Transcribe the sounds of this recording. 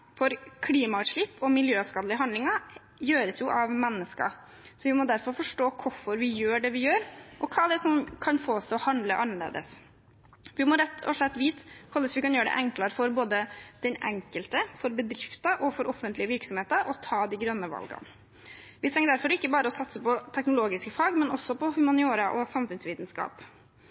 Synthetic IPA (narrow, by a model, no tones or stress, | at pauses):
fɔɾkʰliːmɑʂɭɪpːɔmɪljøːskɑd̪lɪəɦɑnd̪ɪŋɑ | jøːɾəsjʊʔɑʋmɛnːəskɑ̰ | sɔʋɪmɔd̪æɾfɔɾfɔʂʈoːkʰʊfɔɾʋɪjøːɖɛʋɪjøːɾʔɔkʰɑːd̪ɛsɔmkʰɑnfoːst̪ɔhɑnd̪ləʔɑnəɭḛːd̪ə̰s | ʋɪmɔɾɛt̪ʰːɔ̰ʂɭɛt̪ːʋiːt̪kʰɔləsʋɪkɑnjøːɾəɖɛ̰ʔɛŋklɑɾəfɔɾboːd̪əd̪̥ɛnɛ̰ŋkəlt̪əfɔɾbəd̪ɾɪft̪ɑʔɔfɔɾʔɔfənt̪lɪəʋɪɾksɔmheːt̪ɑʔɔt̪ʰɑːd̪ɪɡɾœnːəʋɑ̰lɡɑ̰n | ʋɪt̪ɾɛŋːəd̪æɾfɔɾɪkːəbɑːɾəɔsɑt̪səpɔt̪ʰɛknʊloːɡɪskəfɑːɡmɛnɔsːɔpɔhʉmɑnɪoːɾɑʔɔsɑmfʉnsʋiːt̪nskɑ̰ːp